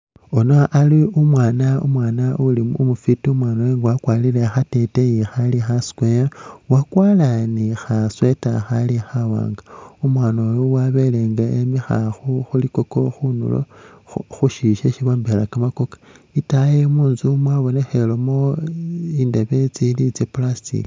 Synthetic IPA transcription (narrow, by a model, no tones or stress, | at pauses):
o̞noʔaliumwaːnaṵmwaːnaulimumufitiumwaːnoweŋɡawakwaːlilexate̞tejixalixasi̥kwewakwaːlanixaswetaxalixawa̰ːŋɡaumwaːnojuwaβe̞leŋɡaemixa̰xuxulikoko̞xunṵlo̰xuʃiʃeʃiβoːmbelakamakokḁitajemuːnzumwaβo̞ne̞xelomo | iːndaβet͡silit͡seplasḭli